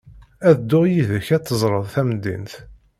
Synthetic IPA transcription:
æðd̪ːʊjiðəçæt̪ːəzˤɾˤəðˤθæmd̪ḭnθ

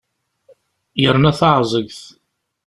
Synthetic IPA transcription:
jəɾnæθɑʕzˤəɡθ

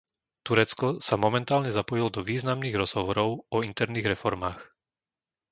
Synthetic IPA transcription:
t̪uɾɛt͡skɔsamɔmɛnt̪aːlɲɛzapɔjilɔd̪ɔʋiːznamniːɣɾɔz̥ɦɔʋɔɾɔʊɔint̪ɛɾniːɣɾɛfɔɾmaːx

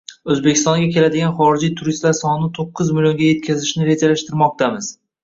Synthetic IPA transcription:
ɵzbe̞kʲʰɪ̥st̪ɒŋɡʲakʲʰe̞lad̪ɪɡʲanχɒɾɪd͡ʒijt̪ʰʊɾist̪laɾsɒnnɪt̪ʰoqːʊzmɪlʲjo̞ŋɡʲaje̞t̪̚kʲʰazɪʃnɪɾe̞d͡ʒalaʃt̪ɪɾmɒq̚t̪ʰamɪz̥

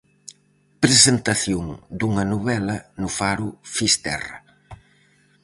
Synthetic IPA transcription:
pɾesent̪ɐθjoŋd̪uŋɐnuβɛlɐnufaɾufist̪ɛ̰rɐ̰

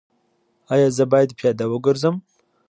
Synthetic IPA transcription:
ajɑzəbɑjad̪pjɑd̪awəɡəɾzəm

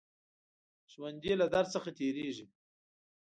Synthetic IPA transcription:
ʒwand̪elad̪aɾsəxat̪eɾeʒi

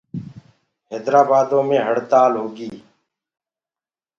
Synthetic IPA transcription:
ɦeːd̪ɾaːbaːd̪õːmẽːɦəɽt̪aːlɦoːɡiː

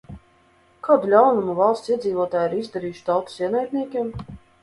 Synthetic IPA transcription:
kaːd̪ulʲawnumuvalˠst̪siɛziːvɔt̪aːjiɾizd̪aɾiːjʃt̪awt̪u̥siɛnajt̪ʲnʲiɛkʲiɛm

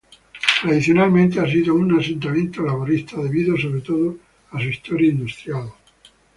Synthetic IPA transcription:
t̪ɾaðiθjonalmẽnt̪eas̬iðounasẽnt̪amjent̪olaβoɾist̪aðe̞βiðosoβɾet̪oðo | asuist̪oɾjaind̪ust̪ɾjal

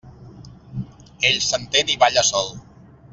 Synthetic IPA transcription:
eʎsənt̪eniβaʎəsɔlˠ

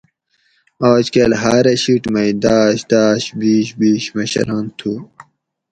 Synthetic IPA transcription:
oːt͡ɕkelɦaːɾɐɕiʈmɐid̪aːɕd̪aːɕbiːɕbiːɕmɐɕɐ̰laːnt̪ʰu

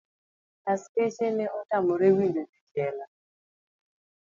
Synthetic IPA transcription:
tasteʃenɛʔɔtamɔɾewindodikɛla

